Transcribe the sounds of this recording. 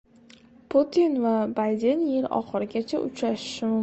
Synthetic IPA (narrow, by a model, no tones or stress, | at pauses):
pʰut̪ʰinvabajd̪enjeɾɒ̰χɨɾɪɡʲat͡ʃʰa̰ʔʊ̰t͡ʃɾaʃɪ̥ʃɪmʊm